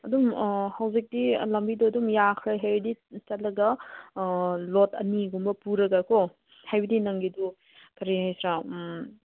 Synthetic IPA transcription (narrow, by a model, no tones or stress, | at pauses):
ɐdumhɐwzik̚dilɐmbiduɐdumjakʰɾaɦajbdit͡ʃɐt̚lɐɡɐ | lotɐ̰niɡumbɐpuɾɐɡakʰɔ | hajbɐdinɐŋɡidu | kʰɐɾihajsɾa